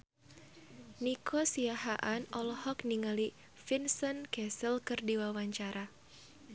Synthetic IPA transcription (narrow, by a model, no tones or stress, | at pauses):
nikʰɔsiaɦaʔanɔlɔhɔkniŋali | finsɔnkɛsəlkɨrdiwawaɲt͡ʃaɾʔa